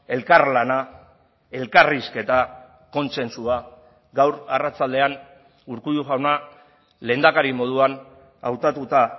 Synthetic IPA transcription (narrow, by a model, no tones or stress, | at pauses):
e̞lkarlana | e̞lkariske̞t̪a | ko̞nse̞nsua | ɡawɾarat͡sald̪e̞an | uɾkujuʝawna | le̞ːnd̪akaɾimo̞ð̞uan | a̰wt̪at̪ut̪a